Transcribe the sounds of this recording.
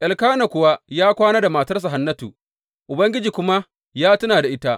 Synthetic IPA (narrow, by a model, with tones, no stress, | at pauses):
ʔa˨lkaː˦na˨kʷʊ˨wa˦jaː˦kʷaː˦naː˦da˨maː˨tɐ˦rs̬a˨ɦa˦nːɐ˦tṵː˨ | ʔʊ˨bɐ˦ŋɡʲɪ˦d͡ʒiː˨kʷʊ˦ma˦ | jaː˦tʊ˦naː˨da˨ʔɪ˦ta˦ʔ